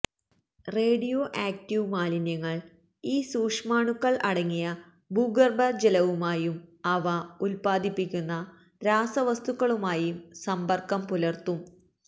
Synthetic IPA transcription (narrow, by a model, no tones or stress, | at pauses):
reːɽijoʔaːk̚tiʋmaːlinjɐŋːɐɭ | iːsuːkʂmaːɳukːɐɭɐɽɐŋːijɐ | buɡɐrbɐd͡ʑelɐʋumaːjumɐʋɐulpaːd̪ipːikʲːunːɐ | ɾaːsɐʋɐst̪ukːɐɭumaːjumsɐmbɐrkɐmpulɐrt̪um